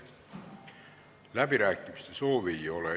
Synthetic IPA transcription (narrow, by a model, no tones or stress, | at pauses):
læpiɾæːkːimyst̪esoːʋiːole